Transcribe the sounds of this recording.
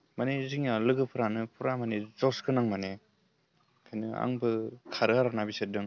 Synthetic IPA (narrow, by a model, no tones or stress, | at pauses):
maneziŋjalɯɡɯpʰuɾanɯpʰuɾamanezɔskʰɯnaŋmane | kʰajnɯa̰ŋbɯkʰaɾɯaɾanabiset̚dɯŋ